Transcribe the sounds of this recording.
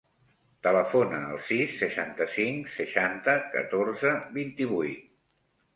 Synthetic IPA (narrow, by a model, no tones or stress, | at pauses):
t̪ələfonəːlˠsisːəʃant̪əsiŋsəʃant̪əkə̰t̪oɾzəβint̪iβujt̪